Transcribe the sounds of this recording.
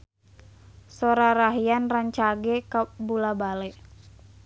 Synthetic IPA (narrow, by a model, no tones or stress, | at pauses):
soɾaɾaɦianraɲt͡ʃaɡɛkabulabalɛ